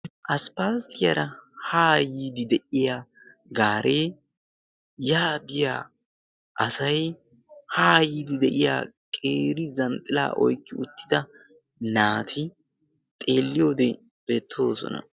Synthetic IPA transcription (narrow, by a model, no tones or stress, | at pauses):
ʔɐspalt̪ɪjɐɾɐhaːjid̪ɪd̪ɛʔɪjaː | ɡaːɾʔe̞ː | jaːbɪjaː | ʔɐsɐj | haːjiːd̪ɪd̪ɛʔɪja̰ːkʼeːɾɪzɐnt̪ʼɪla̰ːʔɔ̰jkːɪʊt̪ːɪd̪ɐ | naːt̪ʰɪ | t̪ʼe̞ːlːɪjo̞ːd̪ɛ | b̥e̞ːt̪ʰːo̞ːsɔ̰nɐ̰